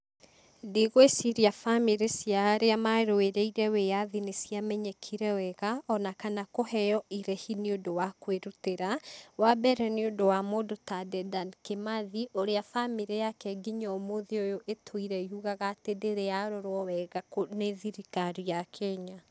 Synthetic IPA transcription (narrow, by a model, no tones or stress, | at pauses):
diɣoesiɾiafamiɾesiaɾeamaeɾoweɾɛiɾɛwejaðinesiamɛɲɛkʰiɾɛwɛɣaʔɔnakanakohɛjɔʔiɾɛhineondowakweɾuteɾawabɛɾɛneondowamoːdotadɛdankemaðiʔoɾeafamiɾejakɛɡiɲɔmoðiojoʔetʰoiɾɛihuɣaɣaːtedeɾejaɾoɾwɔwɛɣakoneðiɾikaɾijakʰɛɲa